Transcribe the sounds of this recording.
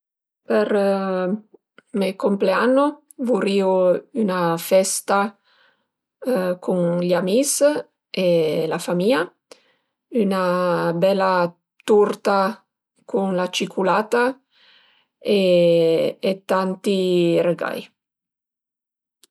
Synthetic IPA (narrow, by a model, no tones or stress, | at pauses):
per | mekompleanːo | vuɾiːoynafɛst̪a | kʰuŋʎamis | elafamiːa | ynabɛlːa | t̪urt̪a | kʰunlat͡ʃikʰulaːt̪a | eː | t̪ːant̪ireɡa̰j